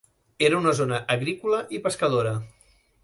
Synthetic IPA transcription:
eɾəunəzonəʔəɣɾikuləʔipəskəðoɾə

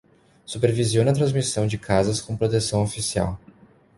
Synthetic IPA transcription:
supeɾvizionɐt̪ɾɐ̃zmisɐ̃w̃d͡ʒɪkʰazɐskõpɾot̪esɐ̃w̃ofisia̰w

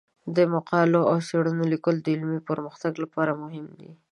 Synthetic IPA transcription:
d̪əmaqɑloawseɽunolikəld̪əɪlmipəɾməxt̪aɡlapɑɾamʊɦɪmd̪ḭ

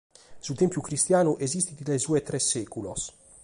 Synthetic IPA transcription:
sut̪ɛmpjukɾist̪jaːnuʔezist̪id̪it̪lesuːet̪ɾɛsːɛːkulos

